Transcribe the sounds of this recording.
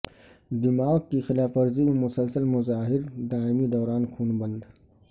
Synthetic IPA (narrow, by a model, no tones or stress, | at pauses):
d̪ɪmaːɡ̚kixɪlaːfɐɾzimẽmʊsəlsəlmʊzaːɦɪɾd̪aːɪmid̪ɔːɾaːnkʰuːnbɐ̃nd̪